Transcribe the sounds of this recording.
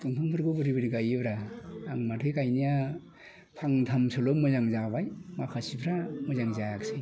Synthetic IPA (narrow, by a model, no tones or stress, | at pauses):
tɯŋpʰaŋpʰɯɾɡɯbɯɾibɯɾiɡajɯbɾaːŋmatʰɯjkajnija | pʰaŋtʰamsʰolomɔzaŋzabajmakʰasipʰɾamɯzaŋzaaksɯj